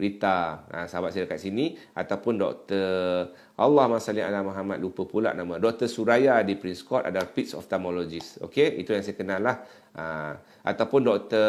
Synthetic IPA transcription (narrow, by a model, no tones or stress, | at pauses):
ɾit̪aə̰̃səɦabat̪sajadəkat̪̚sinĩ | a̰t̪awpʊndɔ̰k̚t̪ə | ʔalːahmasalia̰lamaɦamat̪̚lupəpula̰ʔnãmãdɔk̚t̪əsuɾajadipɾinskɔt̪a̰dalapit̪̚sɔ̰ft̪ɛmolod͡ʒiso̰keḭt̪ujaŋsajakənalah | ə | ʔa̰t̪awpʊndɔk̚t̪ə